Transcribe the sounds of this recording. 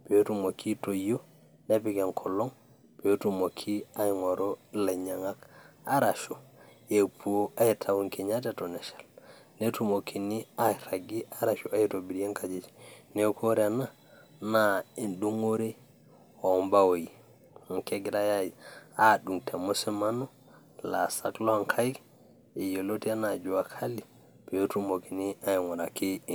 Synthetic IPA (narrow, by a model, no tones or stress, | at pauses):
b̥ɛtumokʰitojo | napiɡankʰɔlːɔŋ | bɛtumokʰːiajŋɔɾɔlaɲaŋakaɾaʃu | epʰuaitʰawunkiɲatɛtɔnɛʃḁl | netumokʰːiniajɾaɡiaɾaʃuajtobiɾjɛŋkad͡ʒid͡ʒi̥nekʰɔɾɛana | nainɗuŋoɾɛ | ɔmbawoji | ŋkɛɡɾajajaɗuŋtʰamosɛmanɔ | lasaklɔaŋkʰajk | ɛjolotianad͡ʒuwakʰali | b̥ɛjotumokiniajŋaɾaki